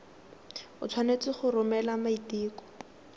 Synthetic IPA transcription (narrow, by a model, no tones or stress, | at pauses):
ʊt͡sʰwanet͡sɪχʊrʊmɛlamaitiːkɔ̥